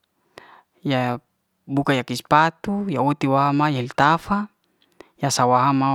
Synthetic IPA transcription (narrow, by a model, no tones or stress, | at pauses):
ja | bukajakispat̪ujaot̪iwaɦamajalt̪afa | jasawaɦama